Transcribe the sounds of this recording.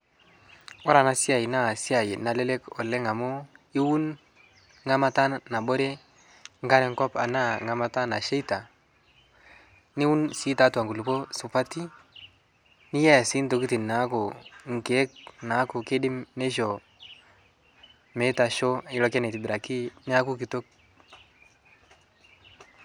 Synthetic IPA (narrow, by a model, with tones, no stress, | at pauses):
wɔ˦ɾa˨na˨si˦a˨ji˨na˦˨si˦a˨jɪ˨na˨le˦le˦kɔ̰˨lːe˦ŋa˨mʊ˦ɪ˦wu˦n | ŋa˦ma˦ta˦nːa˨bo˦ɾe˦ | ŋ̩˦ka˦ɾɛ˨˦ŋ˦kɔ˦pa̰˨na˦˨ŋa˨ma˦ta˦na˨ʃe˦i˦ta˨ | nɪ˦wu˦nsi˦ta˨˦twa˨ŋkɡu˨lu˨po˦sʊ˨pa˦ti˦ | nɪ˦ja˦˨si˦nto˨ki˦ti˨nna˨˦ko˨ŋ̩˨ke˨˦k̚na˨˦kʊ˨ke˦dɪ˦mne˦ʃ̬ɔ˨ | me˨˦ta˨ʃo˦ɪ˦lɔ˦kɛ˦nɛ˨ti˨bɪ˨ɾa˨ki˦nɪ˦a˦kʊ˦kɪ˨to˦k̚